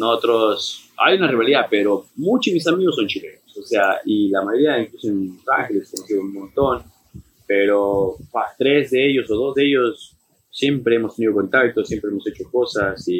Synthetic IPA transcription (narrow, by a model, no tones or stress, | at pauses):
nosot̪ɾosa̰junariβaliðapeɾo̞mut͡ʃozemis̬amiɣosːont͡ʃilḛnososeailamajoɾiaiŋklusoensa̰ŋxeleskonoseðounmõ̞nt̪o̞n | peɾofast̪ɾe̞zðeeʝo̞soðo̞zðeeʝosː | je̞mpɾe̞emost̪e̞niðo̞ko̞nt̪akt̪osjempɾeemo̞set͡ʃoko̞sasi